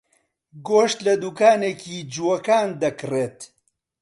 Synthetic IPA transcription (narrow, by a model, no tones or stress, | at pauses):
ɡoːʃt̪lɐd̪uːkaːneːcʰiːd͡ʒuwɐkaːnd̪ɐkreːt̪